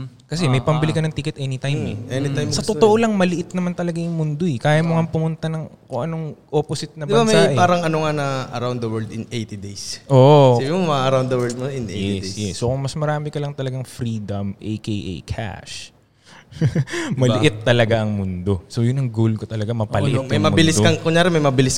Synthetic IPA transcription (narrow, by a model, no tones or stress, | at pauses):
kɐs̬ɛmɐjpɐmbɪlɪkɐnɐŋt̪iːkɛt̪̚ʔɛnɪt̪ajmɛ̰ɛnit̪ajsɐt̪ot̪oʔolɐŋmɐlɪʔɪt̪̚nɐmant̪ɐlɐɡajʊŋmʊnd̪o̞ɛkaːjɐmoŋɐpʊmʊnt̪ɐnɐŋkoŋʔɐnoŋʔoposɪt̪̚nɐd̪ɪbamsɐaʔɛpaːɾɐŋɐnoŋanɐʔɐɾawnd̪d̪ɐwɛɹld̪ɪnʔejt̪id̪ejsʔoʔsabɪmomɐɐɾawnd̪ɐwɛld̪̚moɪnejɛsjɛsːokʊŋmɐsmɐɾaːmɪkɐlɐŋt̪ɐlɐɡaŋfɾiːd̪ɐmʔḛjkejʔḛjkʰa̰ʃ | mɐlɪʔɪt̪ːɐlɐɡaʔɐŋmʊnd̪o̞sojʊnːɐŋɡolkot̪ɐlɐɡamɐpɐlɪ̰ʔɪt̪mɐmɐmbɪlɪsdkɐkʊŋɲjaːɾɛmɐjmɐbɪlɪs